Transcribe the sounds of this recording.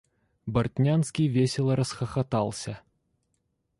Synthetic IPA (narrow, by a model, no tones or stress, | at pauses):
bɐrt̪ʲnʲanskʲivʲesʲɛlˠɐɾɐsxɐxat̪alˠsʲɐ